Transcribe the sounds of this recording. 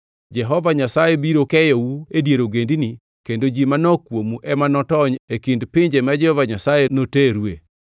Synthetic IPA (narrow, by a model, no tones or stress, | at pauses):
d͡ʒɛɦɔvaɲasajebiɾokɛjɔwuedjeɾoɡendini | kendod͡ʒimanɔkwomuʔɛmanɔtɔɲekindpɪɲd͡ʒemad͡ʒɛhɔvaɲasajenoteɾwe